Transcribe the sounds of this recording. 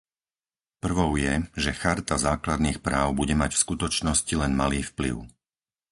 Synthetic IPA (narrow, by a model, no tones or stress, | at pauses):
pr̩ʋɔʊjɛʒɛxaɾt̪azaːklad̪niːxpɾaːʊbuɟɛmacfskut̪ɔt͡ʃnɔscilɛnmaliːfplḭʊ